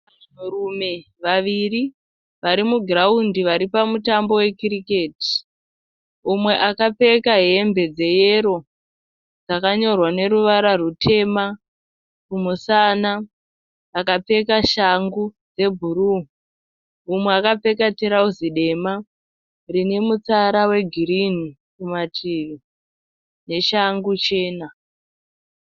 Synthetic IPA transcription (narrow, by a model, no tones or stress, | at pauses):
urume̞ | ʋaʋiri | ʋaɾimuɡʱiraundiʋaɾipamutambo̞we̞kirike̞ːti̥ | umwe̞ʔakap͡fe̞kaɦe̞mbe̞d͡ze̞je̞ɾo̞ | d͡zakaɲo̞rwane̞ɾuʋaɾarutʰe̞ma | kumusanaː | kap͡fe̞kaʃaŋɡu | d͡ze̞bʱuru | umwe̞akape̞katiɾauziɗe̞ma | rine̞mut͡saɾawe̞ɡʱiɾini | kumatʰiʋi | ne̞ʃaŋɡut͡ʃe̞ːna